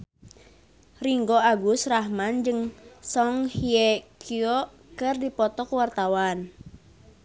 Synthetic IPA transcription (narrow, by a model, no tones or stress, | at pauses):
riŋɡoaɡusraɦmand͡ʒɨŋsɔŋhiekʰiɔʔ | kɨrdipɔt̪ɔkuwart̪awan